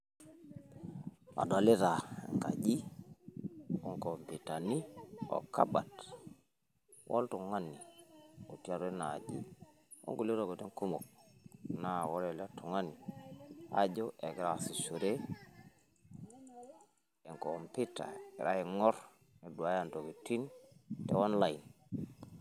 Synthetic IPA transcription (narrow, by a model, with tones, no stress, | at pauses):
a̰˨da˨li˦ɾa˨ḛ˨ŋka̰˨d͡ʒi˦ | o˦ŋko˨mpi˨ta˨ni˦o̰˨ka̰˦ba̰˨t | wʔo̰˦ltu˨ŋa˦ni˨o˨ti˦a˨ɾe˦na˨d͡ʒḭ˦ | o̰˦ŋɡu˨li˦ɾo˨ɡo˨te˦ŋku˦mo˨k̚na˦wo˦ɾe˨la˦tu˨ŋa˦ni˨ | a̰˦ɟo˦ʔe˨ɡi˨ɾa˨si˨ʃu˨ɾe˦ | e˨ŋko˨mpi˦ta̰˨i˨ɾa˦i˨ŋɔ˦ɾ | ne˨du˨a˨˦ja˦˨nto˨ki˨ti˦ntḛ˦wa˦nla˨i˨n